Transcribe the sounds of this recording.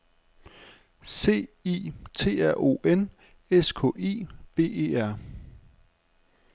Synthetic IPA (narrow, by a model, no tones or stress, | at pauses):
se̝̰ːiːt͡sʰe̝̰ːæɐ̰ʔo̝̰ːen | eskʰɔ̰̽ːe̝̰ːb̥e̝̰ːe̝̰ːæɐ̰